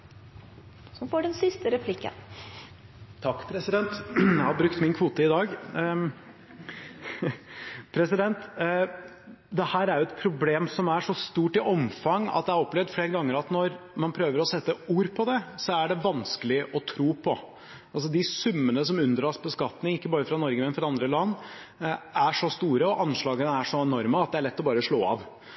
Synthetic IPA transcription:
sɔmfoːɖɛnsɪst̪əɾɛpʰlɪkːə̰n | t̪ʰɑkːpʰɾɛsɪd̪ɛnt̪jæhɑɾbɾʉkt̪mɪnkʰʋuːt̪əɪd̪ɑːɡ | pʰɾɛsɪd̪ɛnt̪ | d̪ɛhæːɾæɾjʊɛt̪pʰɾʊbleːmsɔmæʂɔst̪uːʈɪʔɔmfɑŋɑ̰t̪̚d̪ɛæɾɔpːlɛʋd̪fleːɾəɡɑŋːəɾɑt̪nɔɾmɑnpʰɾøːʋəɾɔsɛt̪ːəuːɾpʰɔd̪ɛsɔæɖɛʋɑnskəlɪʔɔt̪ʰɾuːpʰɔ | ʔɑls̬ɔd̪ɪsʉmːənəsɔmʉnd̪ɾɑːsbəskɑt̪nɪŋɪkːəbɑːɾəfɾɑnɔɾɡəmɛnfɾɑɑnd̪ɾəlɑnː | æʂɔst̪uːɾəɔʔɑnʂɭɑːɡənəæʂɔɛnɔɾməɑt̪̚d̪ɛæɭɛt̪ːɔbɑːɾəʂɭoːɑ̰ʋ

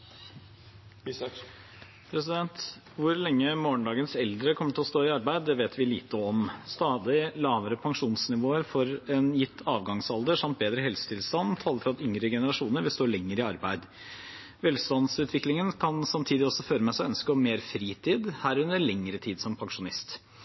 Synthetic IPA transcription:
pʰɾɛsɪd̪ɛnt̪ | ʋʊɾlɛŋːəmoːɳɖ̪ɑːɡənsɛld̪ɾəkʰɔmːəʈʰɪlɔst̪oːɪɑɾbæɪd̪̚d̪ɛʋeːt̪ʰʋɪlḭːt̪əɔmst̪ɑːd̪ɪlɑːʋəɾəpʰɑŋʂuːnsnɪʋoːəɾfɔɾɛnjɪt̪ʰːɑːʋɡɑŋsɑld̪əʂɑmt̪̚beːd̪ɾəhɛlsə̥t̪ʰɪlst̪ɑnt̪ʰɑːləɾfɔɾɑt̪ʏŋɾəɡɛnəɾɑʂuːnəɾʋɪlst̪oːɾɭɛŋːəɾɪɑɾbæɪd̪ | ʋɛːlst̪ɑnd̪sʉːt̪ʰʋɪklɪŋənkʰɑnsɑmt̪ʰiːd̪ɪɔsːɔføːɾəmɛsæɪœnskəɔmmeːɾfɾiːt̪ʰiːd̪hæːɾʉnd̪əɭɛŋːɾət̪ʰiːd̪sɔmpʰɑŋʂʊnɪst̪

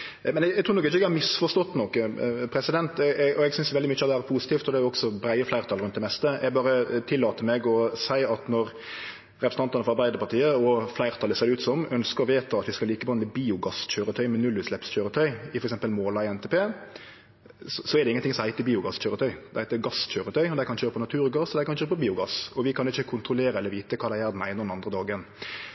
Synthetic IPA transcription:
mɛnɛɡɡ̚t̪ʰɾuːnɔkːɪçəɛɡæmɪsfɔʂt̪ɔt̪ːnɔkːpʰɾɛsɪd̪ɛnt̪ɛɛʔɔɛɡsʏnsjʋɛld̪ɪmʏçːəɑt̪ɛæɾəpʰuːsɪt̪ʰiːft̪ɔd̪ɛæjʊɔɡsɔbɾæɪəflæɪɾt̪ʰɑlɾʉnt̪̚d̪ɛmɛst̪əʔɛɡbɑːɾət̪ʰɪlːɑːt̪əmɛɡɔsæɪɑt̪nɔɾ | ɾɛpɾsn̩t̪ɑnt̪ɑnəfɔɾɑɾbæɪd̪əɾpɑt̪ʰiːəɔflæɪʁt̪ʰɑlːəsɛɾʉːt̪sɔmœnskəɾɔʋeːt̪əɑt̪ʋɪskɑliːkəbɑnmɛbiːʊɡɑsçøːɾət̪ʰœʏmɛnʉlːʉːslɛpsçøːɾət̪ʰœʏɪfɔɾɛksɛmpəlmoːlɑɪɛnt̪ʰɛːpʰeː | ssɔɛɾd̪ɛɪŋənɪŋsɔmhæɪt̪əbiːʊɡɑsçøːɾət̪ʰœʏd̪̥ɛhæɪt̪əɡɑsçøːɾət̪ʰœʏɔd̪æɪkʰɑnçøːɾəpʰɔnɑt̪ʰʉːɾɡɑsɔd̪æɪkɑnçøːɾəpʰɔbiːʊɡɑsɔʋɪkʰɑnɪçːəkʰʊnt̪ɾʊleːɾəɛlːəɾʋiːt̪əkʰɑːd̪æjæːɾd̪n̩æ̰ɪnɔd̪ɛnɑnd̪ʁɾəd̪ɑːɡən

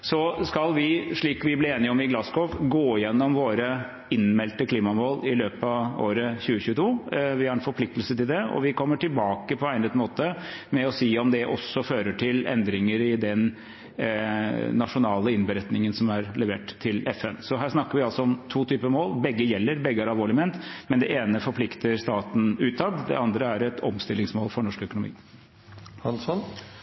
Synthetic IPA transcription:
sɔskɑlʋɪʂɭiːkʋɪblɪɾeːnɪəɔmɪɡlɑskɔʋɡoːjɛnːɔmʋoːɾə | ɪnmɛlt̪əkʰliːmɑmoːlɪløːpɑʋo̰ːɾəçʉːəçʉːət̪ʰuːʋɪhɑɾɛnfɔɾpʰlɪkt̪əl̩sət̪ɪld̪ɛɔ̰ʋɪkʰɔmːəʈɪlbɑːkəpʰɔæɪnət̪moːt̪əmɛɔsiːɔmd̪ɛʔɔ̰sːɔføːɾəʈʰɪlɛ̰nd̪ɾɪŋəɾɪd̪ɛn | nɑʂʊnɑːləɪnbəɾɛt̪nɪŋənsɔmæɾlɛʋeːʈt̪ʰːɪlɛfɛnsɔɦæːʂnɑkːəɾʋɪɑlsɔɔmt̪ʰuːt̪ʰyːpəmoːlbɛɡːəjɛlːəɾbɛɡəæɾɑlʋoːɭɪmɛnt̪mɛnd̪ɛʔeːnəfɔɾpʰlɪkt̪əɾʂt̪ɑːt̪n̩ʉːt̪ʰːɑd̪d̪ɛ̰ɑnd̪ɾəæɾɛt̪ʰɔmst̪ɪlːɪŋsmoːlfɔɳɔʂkœkʊnʊmḭː | hɑnsɔn

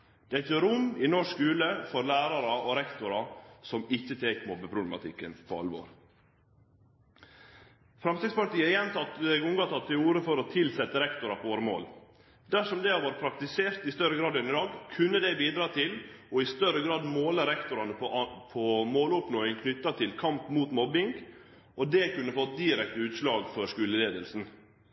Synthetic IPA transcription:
d̪̥ɛɪt̪jøːɾʊmɪnɔʂkʉːləfɔɾlæːɾɑɾɑɔɾɛkt̪ʊɾɑsɔmɪçːət̪ʰeːkmɔbəpʰɾʊblɛmɑ̰t̪ʰɪkːənpʰɔɑ̰lʋo̰ːɾ | fɾɑmst̪ɾɪɡspɑɾt̪iːəəjɛnt̪ʰɑt̪ːɛɡʊŋɡɑt̪ʰɑt̪ʰːɪluːɾəfɔɾɔt̪ʰɪlsɛt̪ːəɾɛkt̪ʊɾɑpʰɔʋoːɾəmo̰ːl | d̪æʂɔmd̪ɛɑʋɑːɾpʰɾɑk̚t̪ɪseːɾt̪ɪst̪œɾəɡɾɑːd̪ɛnɪd̪ɑːɡkʰʉnːəd̪ɛbiːd̪ɾɑːt̪ʰɪlɔɪst̪œɾəɡɾɑːd̪moːləɾɛkt̪ʊɾɑnəpʰɔmoːlʊpnoːɪŋkʰnʏt̪ːɑt̪ʰɪlkʰɑmpmuːt̪mɔbɪŋɡ | ʔɔd̪ɛːkʉnːəfɔt̪̚d̪ɪːɾɛkt̪əʉːt̪ʂlɑːɡfɔɾʂkʉːləleːd̪əlsn̩

